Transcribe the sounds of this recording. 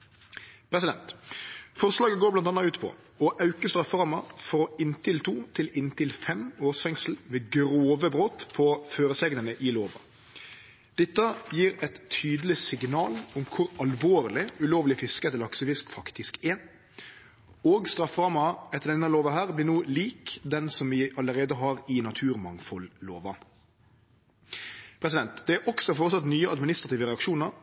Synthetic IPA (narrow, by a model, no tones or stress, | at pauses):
pʰɾɛsɪd̪ɛ̰nt̪fɔʁslɑːɡəɡoːblɑnt̪ɑnɑʉːt̪pʰɔ̰ | ɔʔɑʉkəst̪ɾɑfʁɑːmɑfɔɔɪnt̪ʰɪlt̪ʰuːt̪ʰɪlɪnt̪ɪlfɛmoːʁsfɛŋsl̩ʋeːɡɾoːʋəbʁoːt̪pʰɔføːɾəsɛɡnənəʔɪloːʋɑ̰ | d̪̥ɛt̪ːəjiːɾɛt̪ʰyːd̪əlɪsɪɡnɑːlʊmkʰʊɾɑlʋoːɾlɪʉloːʋlɪfɪskəɛt̪ːlɑksəfɪskfɑkt̪ɪskɛ | oːɡst̪ɾɑfːʁɑːmɑɛt̪ːəɖ̪ɛnːəloːʋɑɦæːʁblɪnuːliːkd̪ɛnsɔmʋɪʔɑləɾeːd̪əɦɑɾɪnɑt̪ʰʉːɾmɑŋfɔlːo̰ːʋɑ | pʰɾɛsɪd̪ɛnt̪d̪ɛæɾʔɔksɔfoːɾət̪sɑt̪nyːəɑd̪mɪnɪst̪ɾɑt̪iːʋəɾɛɑkʃuːnəɾ